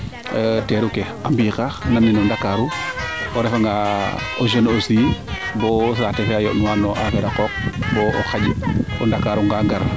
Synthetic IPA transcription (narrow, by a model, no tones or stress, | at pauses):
teɾuke | ambiːkananːinɔndakaɾuɔɾefaŋɡaoʒenosibɔs̬aːtefeajɔʔnuwaːnɔʔafeɾakɔk̚bɔoxaɟɔndakaɾuŋɡaɡaɾ